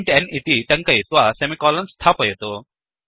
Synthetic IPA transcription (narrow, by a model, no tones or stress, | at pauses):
ɳʈɛnit̪it̪ɐŋkɐjt̪ʋasemikɔːlɐnst̪ʰaːpɐjɐt̪o